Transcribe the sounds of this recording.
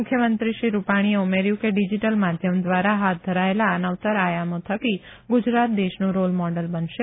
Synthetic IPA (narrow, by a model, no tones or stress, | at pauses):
mʊkʰjəmənt̪ɾiʃiɾupaɽ̃ieumeɾjũkeɖid͡ʒiʈəlmad̪ʱjəmd̪ʋaɾaɦat̪̚d̪ʱəɾaelaənaʋt̪əɾajamõt̪ʰəki | ɡʊd͡ʒɾat̪̚d̪eʃnũɾolmɔɖəlbənʃe